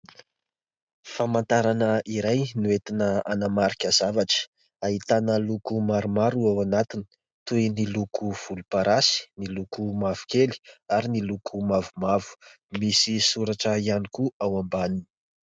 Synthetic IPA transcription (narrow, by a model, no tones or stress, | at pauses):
famant̪aɾanəʔiɾajnuet̪inəanamaɾikʲəzavaʈ͡ʂə̥ | aɦit̪anəlukumaɾumaɾuawanat̪ini̥ | t̪ujnilukʰuv̥ulupaɾasi̥nilukumav̥u̥keli̥aɾinilukʰumavumavu̥ | misisuɾaʈ͡ʂəianikuawambanini̥